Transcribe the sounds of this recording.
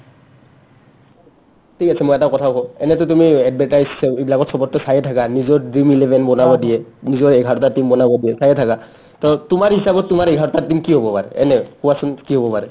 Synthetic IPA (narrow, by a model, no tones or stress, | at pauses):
tʰikasʰɛmoɛtakɔtʰakɔɛnɛtʊtumiɛd̚bʱɛtajzsɛibilakɔtsɔpɔtːɔsajɛtʰakanizɔɹdɹimilɛbʱɛnbɔnabɔdijɛnizɔɹeɡʱatɔtatimbɔnabɔdiɛsajɛtʰaka | tɔtʊmaɹɦisabɔttumaɹeɡʱaɹɔtatimkiɦɔbɔpaɹɛ̰ɛnɛkuwasunkiɦobɔpaɹɛ